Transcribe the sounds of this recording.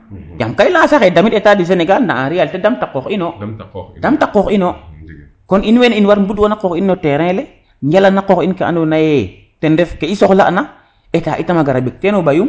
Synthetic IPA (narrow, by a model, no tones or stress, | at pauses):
ja̰mkailãːsaxedamitetadis̬eneɡalnda̰ãɾialtedamtakːokinodamtakːoxino | koninweninwaɾmbudwonakokinːoteɾɛ̃le | jalanakoxinkeʔa̰nonaje | tendefkeisoxla̰ʔna | eta̰ːʔitamaɡaɾabek̚tenobajum